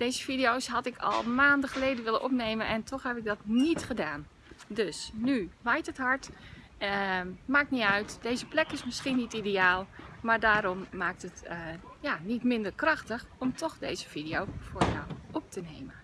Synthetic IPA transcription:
d̥ejzəfidiowsɦɑtɪkʰɔ̰lˠmaːndəxəlejdənʋɪləʔɔpneːjmənʔɛntʰɔxhɛpɪɡ̚dɔtnitχədaːn | døsnyʋajtətɦɑɹt | maːk̚niœɥtdejzəplɛkɪsmɪsxinitideaːlˠmaːɹdaːɾɔmːaːk̚tətjaːnitmɪndəɹkrɑxtəxɔmtʰɔxdeːzəfidiowfʊːɹja̰wʔɔp̚tənejmən

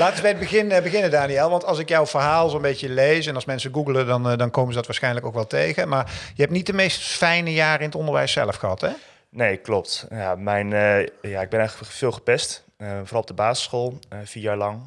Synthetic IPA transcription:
laːtənzbɛjəd̚bəɣɪnbəɣɪnədaːniɛlˠʋɑntɑlˠsɪkjɔwvəɹɦaːlˠsoənmbejcəlejsɛnɑlˠsmɛnsəɡuɡələdɑndɑnkowməzədɑtʋaːɹsxɛjnləkowkʋɛlˠtejɣəmaːɹjəɦɛptnit̚dəmejstfɛjnəjaːrəɪnətɔndəɹʋɛ̰jsɛ̰ləfχəɦɑtɛ | nejklɔptjamɛjnjaɪɡ̚bɛnɛjχləəv̥ɪːlˠχəpɛst | vorɑlˠɔb̚dəbaːzɪ̥sχolˠv̥iːəjaːɹlɑŋ

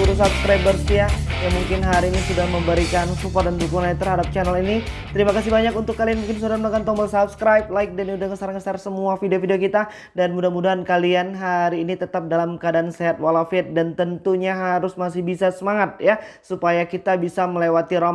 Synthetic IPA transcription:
uɾusap̚sə̥kɾajbərsjajaŋmuŋkɪnɦaɾiːnisudahməmbəɾikansupɔrt̪̚dand̪ukuŋnat̪ːərɦadap̚t͡ʃanəlinit̪əɾimakasibaɲakunt̪ʊkːalianmuŋkɪnsodaɾanmakant̪ɔŋmbəlsap̚sə̥kɾajp̚laɪk̚danudaŋəsarŋəsarsəmuafideofideokit̪a | danmudamudaɦankalianɦaɾiːnit̪ət̪ap̚dalamkadaːnseɦat̪̚walafɪt̪̚dant̪ənt̪uɲaɦaɾʊsmasɪhbisasəmaŋat̪̚jasupajakit̪abisaməlewat̪iɾa

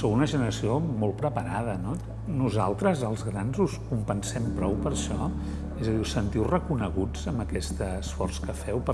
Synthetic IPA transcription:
sowunəʒənəɾəsiomɔlˠpɾəpəɾað̞əno | nuzalˠt̪ɾəzəlˠzɣɾanzuskumpənsɛmpɾɔwpəɾʃɔ | ezəðiusːənt̪iwrəkunəɣud͡zəmbəkɛst̪əːsfɔrskəfɛwpə

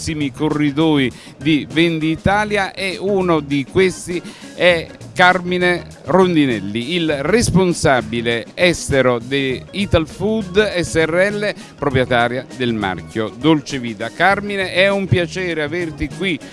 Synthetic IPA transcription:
simikorːid̪ɔːi | d̪ivend̪iːt̪aːljaʔɛunod̪ikwest̪iɛkːarmine | rond̪inɛlːiilresponsabileɛst̪eɾod̪eit̪alfud̪ɛsːɛrːɛlːe | pɾopɾjɛt̪aːɾjad̪elma̰rkjod̪olt͡ʃeviːt̪akarmineʔɛumpjat͡ʃɛːɾeavert̪ikwi

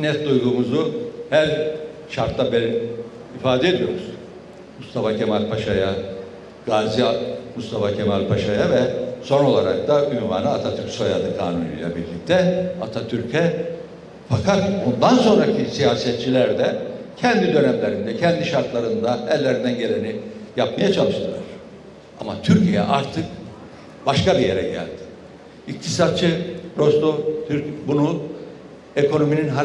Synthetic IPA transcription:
nɛt̪̚d̪ujɡuːmuzuhæɾ | ʃaɾt̪lˠabeɾ | ifaːd̪ɛed̪ijo̞ɾuz̥ | must̪ʰafacʰemalʲpʰaʃaja | ɡ̥aːziamust̪ʰafacʰemalʲpʰaʃajavɛso̞no̞lˠaɾak̚t̪aynva̰ːnɯat̪ʰat̪ʰyɾcʲsaja̰d̪ɯkʰa̰ːnṵny̰jlʲˠɛ̰biɾlʲːic̚t̪ʰɛat̪ʰat̪ʰyɾcʰɛ | fakʰat̪bond̪anso̞nɾacʰisijaːsɛt̪̚t͡ʃʰilʲæɾd̪ɛcʰɛnd̪id̪ø̞nɛmlʲe̞ɾind̪ɛcʰɛnd̪iʃaɾt̪lˠaɾɯnd̪aɛlʲːe̞ɾind̪ænɟe̞lʲenijap̚majat͡ʃʰalˠɯʃt̪ɯlˠaɾ̥ | ama̰t̪ʰyɾcʰijɛ̰ʔaɾt̪ʰɯk | b̥aʃkabijeɾɛ̰ɟæ̰lʲd̪̥ɪ̥ | ict̪ʰisat̪̚t͡ʃʰɯɾo̞sd̪ot̪ʰyɾbunu | eko̞no̞mininɦa

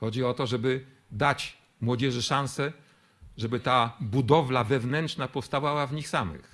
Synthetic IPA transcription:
xɔd͡ʑiɔt̪ɔʐɛbɘ | d̪at͡ɕ | mwɔd͡ʑɛʐɘʂãñsɛ | ʐɛbɘt̪abud̪ɔvlavɛvnɛntt͡ʂnapɔfst̪avawavɲixsamɘ̰x

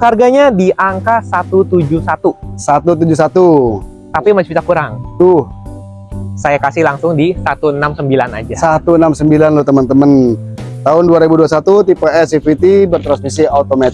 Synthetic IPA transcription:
harɡaɲadiʔaŋkasat̪ut̪ud͡ʒusat̪usat̪ut̪̬ud͡ʒusat̪u | t̪apimad͡ʒait̪akuɾaŋt̪ʊh | sajakasɪhlaŋsʊŋdisat̪uənamsəmbilana̰d͡ʒasat̪uənamsəmbilanlɔt̪əmənt̪əmənt̪aɦʊnduaɾebuduasat̪ut̪ipaɛsifit̪ibərt̪ɾansmisiat̪omat̪

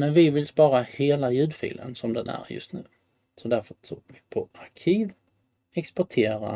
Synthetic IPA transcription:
mɛnvɪvɪlspɑːɾaheːlajʉ̟ːd̪fḭːlʔə̰nsɔmd̪ɛnæ̰ɾjɵ̰st̪nʉ̟ː | sɔd̪æɾfət̪ʰuːvɪpʰɔaɾkʰiːv | ɛkspɔʈʰeːɾa̰

